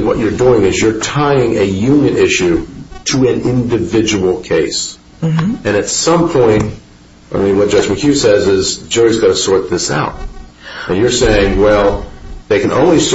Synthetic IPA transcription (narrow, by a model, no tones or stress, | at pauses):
wʌ̰t͡ʃə˞duɪ̃ŋɨzjə˞tʰaɪɪ̃ŋʔɨjʉ̃njɨ̃nɪʃʉɾəɨ̃nɪ̃ndɨvɪd͡ʒəwl̩ˠkʰeɪs | ɨ̃ñɨtsʌ̃mpʰɔ̃ɪ̃nt̚ | ə̰˞mĩwʌt̚ʒʌd͡ʒmɨkʰjʉsɛzɪzd͡ʒʊɹizɡɑɾɨsɔɹt̪̚ðɪsa̰ʊt̚ɨ̃njə˞seɪɪ̃ŋwɛlˠðeɪkɨ̃nʔõ̰ʊ̃nlis